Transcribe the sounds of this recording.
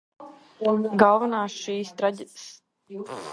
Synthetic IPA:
ɡalˠvanaːsʃiːst̪ɾaɟʲit̪s

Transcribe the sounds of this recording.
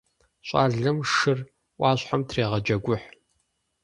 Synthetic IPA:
ɕʼaːɮɨmʂɨr | ʔʷɑːɕħamtʰreːʁɐd͡ʒɐɡʷʊħ

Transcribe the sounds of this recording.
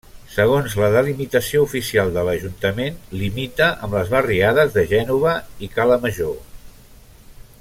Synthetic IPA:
səɣ̞onzləðəlimit̪əsioufisialˠd̪ələʒunt̪əmenlimit̪əʔəmləzβəriaðəzðəʒɛnuβ̞əikaləməʒo

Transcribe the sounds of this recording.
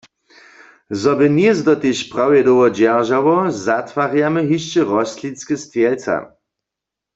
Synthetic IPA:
zɔbɪnjɛzdɔt̪eʃpʁawjɛdowɔd͡ʑɛʁʒawɔzat̪waʁjamɛɦiʃt͡ʃɛʁɔst̪lit͡skɛst̪jɛlt͡sa̰

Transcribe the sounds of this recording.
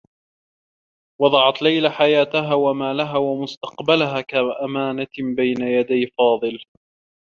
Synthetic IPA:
wɑd̪ˤɑʕɑt̪lajlaħajaːt̪aɦaːwamaːlaɦaːwamʊst̪ɑqbalaɦaːkaʔamaːnabajnajad̪ajfɑːðˤɨl

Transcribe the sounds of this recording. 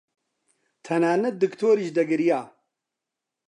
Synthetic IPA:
t̪ʰɐnaːnɨd̪ɨkt̪ʰoːɾiʒd̪ɐɡɨɾijaː

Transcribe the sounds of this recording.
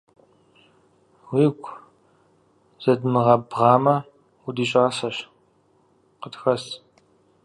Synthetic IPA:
wiːkʷʰʼ | z̥ɐdmɨʁɐbʁɑːmɐ | udiːɕʼaːsɐɕ | qətxɐs

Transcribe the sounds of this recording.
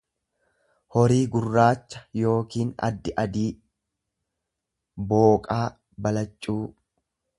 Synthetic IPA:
hɔɾiːɡʊrːaːt͡ʃːɐ̥jo̞ːkiːnɐ̰d̪ːɪʔɐd̪iː | bo̞ːkʼaː | bɐlɐt͡ʃʼːuː

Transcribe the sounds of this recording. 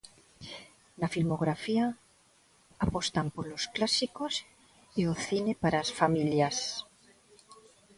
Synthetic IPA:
nafilmoɣɾafia | post̪ampolosklasikos | ioθinepaɾasfamiljas

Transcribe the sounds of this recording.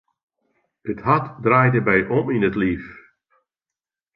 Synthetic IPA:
əthatdraːjdəbɛjʔɔminətlif

